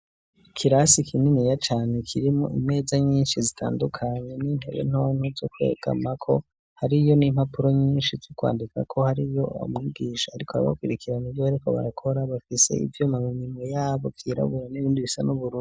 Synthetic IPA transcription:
ikʰiɾasikʰininijat͡ʃaːne̞kʰiɾimuʔimŋe̞ːzaɲiːnʃizitʰa̰ːndukʰaɲe̞ninḛβḛn̥onuzokwḛːɡ̥a̰makʰo̞ | haɾijo̞nimhapuɾo̞ɲiːnʃizikwa̰ːndika̰kʰo̞haɾijo̞o̰mŋiːɡiːʃaaɾikoaa̰βa̰kwiɾikʰiɾanivjoβaɾiko̞̰βa̰ɾakʰo̞ɾaβafisḛḭvjomamumimojaːβokʰiːɾa̰βuɾaniβiːndiβisanuβuɾuː

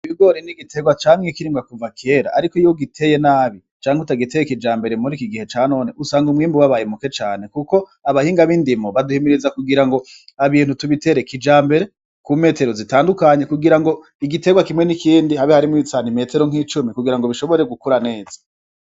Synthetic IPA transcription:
iβiɡo̞ɾiniɡitʰe̞ɡwat͡ʃamŋekiɾiːmɡakuvakʰe̞ɾa̰ːɾikoijoɡitʰe̞je̞naːβi | t͡ʃaːŋutaɡite̞jekid͡ʒaːmbe̞ɾe̞muɾikiɡihe̞t͡ʃaːno̞ːne̞ʔusaːŋɡumŋiːmbuwaβajemuke̞t͡ʃaːne̞kuko̞ | aβahiːŋɡaβindimoβaduhimiɾizakuɡiɾaŋɡo̞ | aβiːn̥hutuβite̞ɾe̞kid͡ʒaːmbe̞ɾe̞ | kuːme̞te̞ɾozitaːndukaɲe̞kuɡiɾaŋɡo̞ | iɡite̞ɡwakimŋwe̞nikiːndihaβihaɾimwisaːnime̞te̞ɾo̞ŋ̥hiːt͡ʃumikuɡiɾaŋɡo̞βiʃo̞βoɾe̞ɡukuɾane̞ːz̥ḁ

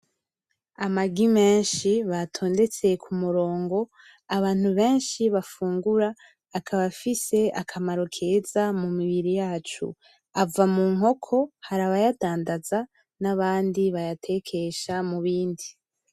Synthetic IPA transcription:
amaɡime̞ːnʃiβatʰo̞ːnde̞t͡se̞kʰumuɾo̞ːŋɡo̞ | aβaːn̥huβe̞ːnʃiβafuːŋɡuɾaː | kʰaβafise̞a̰kʰamaɾo̞kʰe̞zamumiβiɾijaːt͡ʃṵ | avamuːŋɦo̞kʰo̞haɾaβajataːndaza | naβaːndiβajatʰe̞kʰe̞ʃamuβiːndi

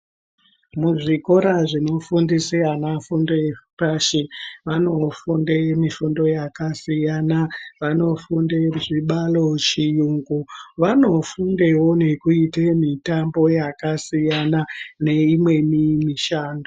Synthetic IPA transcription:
muʐiko̞ɾaʐino̞fundisijanafundefpaʃiʋano̞fundemifundo̞jakasijanaʋano̞fundeʐiɓalo̞t͡ʃijuːŋɡuʋano̞fundewo̞ne̞kuitemitambo̞jakasijanane̞imwe̞mimiʃaːndo

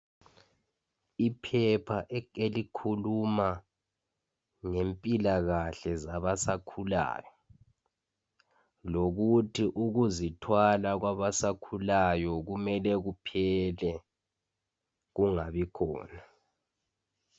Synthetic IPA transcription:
ipʰɛpʰaʔelikʰuluma | ŋempʼilaɣaɬɛzaβasakʰula̰ːjɔ | loɣutʰiʔuɣuzitʰwalaɣwaβasakʰulajɔɣumɛlɛɣupʰɛlɛ | ɣuŋaβikʰɔ̰ːna

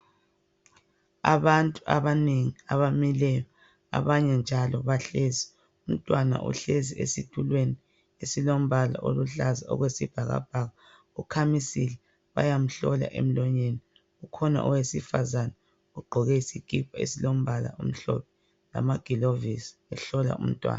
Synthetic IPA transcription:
a̰βantʼuʔa̰βaneŋiaβamilɛjɔ | a̰βaɲɛnd͡ʒʱalɔβaɬezi | um̩tʼwana̰ʔṵɬeziḛsitʰulweni | esilom̩βala̰ʔoluɬazaɔ̰ɣwesib̥ʱaɣa̰b̥ʱaɣa | ukʰamisilɛ | βa̰jam̩ɬɔla̰ʔḛm̩lɔɲeni | ukʰɔna̰ʔuwesifazana | uɡ͡ǃʱɔɣɛisikʼipʰaḛsilom̩βala̰um̩ɬɔ̰p̚ʰɛ | la̰maɡ̥ʱilovisi̥ɛɬɔla̰ṵm̩tʼwa̰ːna

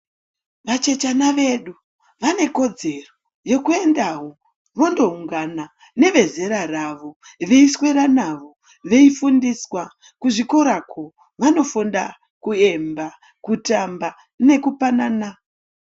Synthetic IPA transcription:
ʋat͡ʃe̞t͡ʃanaʋe̞ɗu | ʋane̞ko̞d͡ze̞ro | jo̞kue̞ndaɦo̞ | ʋo̞ndo̞uŋɡana | ne̞ʋe̞ze̞ɾaraʋo̞ | ʋe̞iswe̞ɾanaʋo̞ | ʋe̞ifundiswa | kuʐiko̞ɾakʰo̞ | ʋano̞funda | kue̞mba | kutamba | ne̞kupanana

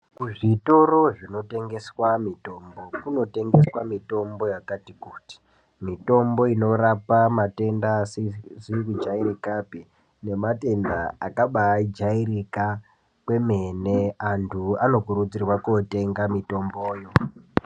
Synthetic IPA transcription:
kuʐito̞ɾo̞ʐino̞te̞ŋɡe̞swamito̞ːmbo̞kuno̞te̞ŋɡe̞swamito̞mbo̞jakatikuti̥ | mito̞mbo̞ino̞rapamate̞ndaszikud͡ʒaiɾikapi | ne̞mate̞ndaa̰kaɓaid͡ʒaiɾika | kwe̞me̞ne̞antʰuano̞kurud͡zirwakote̞ŋɡamito̞mboːjo̞

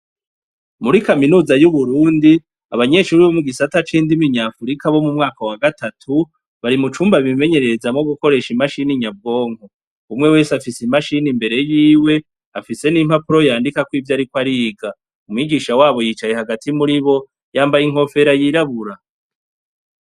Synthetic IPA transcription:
muɾikaminuːzajuβuɾuːndi | aβaɲe̞ʃuːɾiβomuɡisatat͡ʃiːndimiɲaːfuɾikaβo̞mumŋaːkawaɡatatʰu | βaɾimut͡ʃuːmbaβime̞ɲe̞ɾe̞ɾezamŋoɡuko̞ɾe̞ʃimaʃiniɲab̚ɡo̞ːŋho | umŋe̞we̞ːsafisimaʃinimbe̞ɾe̞jiːwe̞ | afise̞nim̥hapuɾo̞jaːndikakwiːvjaːɾikwaɾiːɡa | umŋiːɡiːʃawaːβo̞jit͡ʃaje̞haɡatimuɾiβo̞ | jaːmbajiŋ̥ho̞fe̞ɾajiɾaβuɾa

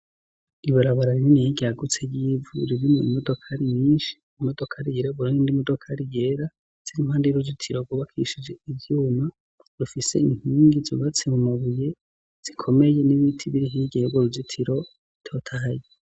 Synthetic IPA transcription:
iβaɾaβaɾaɾiɾinijiɟeaɡut͡sejiːvuɾiɾimuimodo̞kʰaɾimiːnʃi̥ | imodo̞kʰaɾijeɾaβuɾinindimodokʰaɾije̞ɾa | z̥iɾim̥haːndeɾuɟitʰiɾoɡwuβakʰiʃid͡ʒe̞ivjuːma | ɾufise̞̰iŋ̥hiːŋɡizṵβat͡se̞mumaβuje̞ | z̥ikʰo̞me̞je̞niβitʰiβiɾiɦiɡejoɡoɾuvitʰiɾo̞ | itʰoːtʰaje

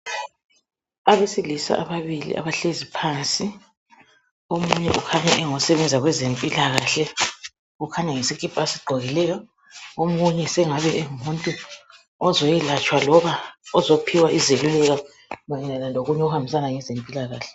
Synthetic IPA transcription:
aβesilisa̰ʔaβaβilḭʔa̰βaɬezipʰansʼi | omuɲɛ̰ʔukʰaɲaʔɛŋɔsɛβɛnd͡zʱaɣwɛzempʼilaɣaɬɛ | ɣukʰaɲaŋesikʼib̥ʰʱʼasiɡ͡ǃʱɔɣilɛjɔ | omuɲɛsɛŋaβɛʔɛumuntʼu | ɔzɔjɛlat͡ʃʼwalɔβaɔzopʰiwaʔizelulɛɣa | nɔjɛnanaloɣuɲɛuhambis̬anaŋɛzempʼilaɣaːɬɛ̥

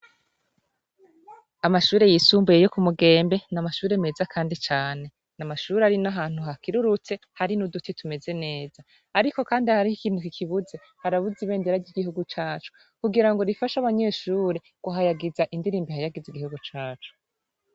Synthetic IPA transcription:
amaʃuːɾe̞jiːsuːmbuje̞jo̞kumuɡe̞ːmbe̞namaʃuːɾe̞me̞zakʰaːndit͡ʃaːne̞ | namaʃuːɾeaɾinaɦaːn̥huɦakiɾuɾut͡se̞haɾinudutitume̞ze̞ne̞ːzaː | ɾiko̞kaːndihaɾihikiːn̥hukikʰiβuze̞ | haɾaβuziβe̞ːndeɾaɟiɡihuɡut͡ʃaːt͡ʃu̥ | kuɡiɾaŋɡo̞ɾifaʃaβaɲe̞ːʃuːɾe̞ | ɡ̥uɦajaɡizaʔindiɾiːmbihajaɡiziɡihuɡut͡ʃaːt͡ʃu̥

